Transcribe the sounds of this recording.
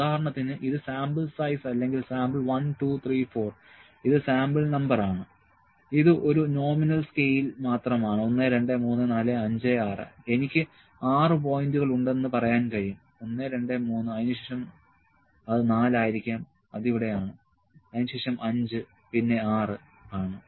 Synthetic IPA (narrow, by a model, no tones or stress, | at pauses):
uðaːɐɾɐɳɐt̪ːinɨʔiðɨsaːmbɨlsɐjsɐlːe̞ŋɡilsaːmbɨɭʋɐnʈut̪ʰriːfo̞ːr | iðɨsaːmbɨɭnɐmbɐraːɳɨ | iðɨʔo̞ɾuno̞ːminɐlskejilmaːt̪rɐmaːɳɨo̞nːeɾe̞ɳɖemuːnːɨnaːleɐɲd͡ʑeaːrɨ̰e̞nikʲːɨ | aːrɨp̬o̞ːjinduɣɐɭuɳɖe̞nːɨpɐrɐjaːnkɐɻijum | o̞nːeɾe̞ɳɖemuːnːɨɐjinuɕeːʂɐm | ɐðɨnaːlaːjiɾikʲːaːm | ɐðiʋiɽe̞jaːɳɨ | ɐðinuɕeːʂɐmʔɐɲd͡ʑɨ | pinːe̞aːrɨ | aːɳɨ